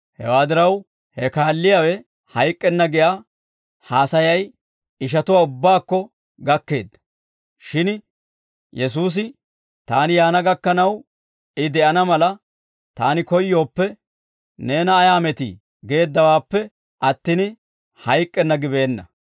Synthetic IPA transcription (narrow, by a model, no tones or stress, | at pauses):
hɛ̰waːd̪ɪɾɐw | hɛkaːlːɪjaːwɛ | hɐjkʼːɛnːɐɡɛjaː | haːsɐjɐj | ɪʃ̬ɐt̪ʊwaːʊbːaːkːɔ | ɡɐkːe̞ːd̪ːɐ̥ | ʃɪn | jɛs̬uːs̬ɪ | t̪aːnɪjaːnɐɡɐkːɐnɐw | ɪd̪ɛʔɐnɐmɐlɐ | t̪aːnɪkɔjːo̞ːpːɛ | ne̞ːnɐːjaːmɛt̪ɪ̰ | ɡe̞ːd̪ːɐwaːpːɛ | ʔɐt̪ːɪnɪ | hɐjkʼːɛnːɐɡɪbe̞ːnːɐ